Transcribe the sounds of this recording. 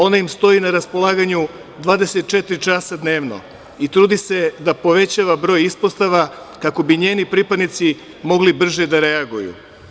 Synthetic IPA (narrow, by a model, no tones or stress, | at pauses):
o̞naimst̪o̞inaɾaspo̞lˠaːɡaɲu | d̪ʋaːd̪e̞se̞t̪̚t͡ʃe̞t̪ɾit͡ʃaːsad̪ne̞ːʋno̰ | it̪ɾuːd̪ise̞d̪apo̞ʋe̞t͡ɕaːʋabɾo̞ːjispost̪aʋa | kako̞biɲe̞ːnipɾiːpad̪nit̪si | mo̞ɡlibr̩ʒed̪aɾeaɡujṵ